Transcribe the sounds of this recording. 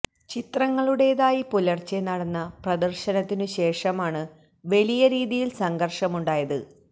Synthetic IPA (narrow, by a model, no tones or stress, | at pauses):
t͡ɕit̪rɐŋːɐɭuɽe̞ːðaːjipulɐrt͡ɕːenɐɽɐnːɐprɐd̪ɐrɕɐnɐt̪ːinɨɕe̞ːʂɐmaːɳɨ | ʋelijɐɾiːðijilsɐŋɡʱɐrʂɐmuɳɖaːjɐðɨ